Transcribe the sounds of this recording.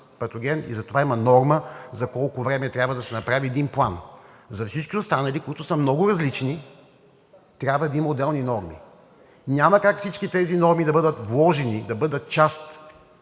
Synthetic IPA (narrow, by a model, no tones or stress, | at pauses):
pɐt̪oɡʲɛnḭzɐt̪ovaimɐnɔɾməzɐkɔlˠkʊvɾɛmɛt̪ɾʲabvəd̪ɐsɛnɐpɾaviɛd̪inplˠan | zɐfsit͡ʃkʲiʊst̪anɐlikʊit̪ʊsəmnɔɡʊɾɐzlit͡ʃni | t̪ɾʲjabvəd̪ɐimɐʊd̪ɛlˠninɔɾmḭ | ɲʲaməkakfsit͡ʃkit̪ɛzinɔɾmid̪ɐbɤd̪ət̪vlˠɔʒɛnid̪ɐbɤd̪ət̪̚t͡ʃast̪